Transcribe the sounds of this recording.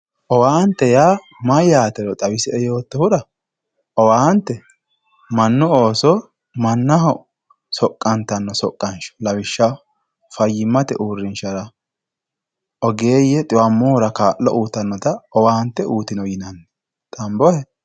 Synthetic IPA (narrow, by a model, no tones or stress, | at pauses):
ʔɔwaːnt̪ːɛjaː | mɐjaːt̪ɛɾɔt̪ʼɐwɪsɛɛjo̞ːt̪ːɔhʊᶑɐ | ɔwaːnt̪ːɛ | mɐnːʊoːsɔ | mɐnːɐɦɔ | sɔkʼːɐnt̪ɐnːɔsɔkʼːɐnʃɔ̥lɐwɪʃːɐ | fɐjːɪmːɐt̪ɛʔuːrːɪnʃɐɾɐ | ʔɔɡeːjɛt̪ʼɪwɐmːɔːʊɾɐkaːʔːɔʔuːt̪ːɐnːɔt̪ɐɔwaːnt̪ːɛuːt̪ɪnɔjɪnɐnːɛ | t̪ʼɐmbɔhɛ